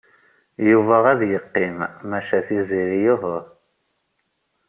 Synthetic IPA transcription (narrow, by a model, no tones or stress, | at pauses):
juvæʁæðjəqːimmæʃæθizˤiɾijʊɦəɾˤ